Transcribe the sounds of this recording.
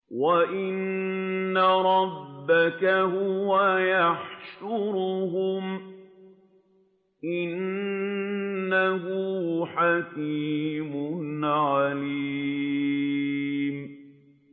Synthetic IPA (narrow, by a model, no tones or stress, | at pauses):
waʔɪnː | aɾˤɑbːakaɦʊwajaħʃʊɾʊhʊm | ʔɪn | aɦʊħakiːmʊnʕaliː | m